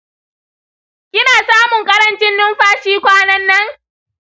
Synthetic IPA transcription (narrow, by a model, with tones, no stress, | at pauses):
kʲɪ˦naː˨saː˦mʊ˨ŋkʼɐ˦ɾɐ˨nt͡ʃɪ˦nːʊ˦mɸaː˦ʃiː˦kʷaː˦nɐ˦nːɐ˦ŋ